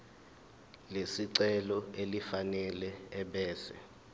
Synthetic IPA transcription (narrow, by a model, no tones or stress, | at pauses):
lesiǀɛlɔelifanɛlɛːɓɛːsɛ̰